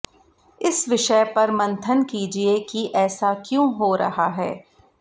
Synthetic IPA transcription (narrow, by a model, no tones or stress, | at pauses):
ɪsʋɪʃəpɐɾmɐ̃nt̪ʰənkiːd͡ʒiekiʔɛːsakjõːɦoːɾɐ̰ɦaɦɛː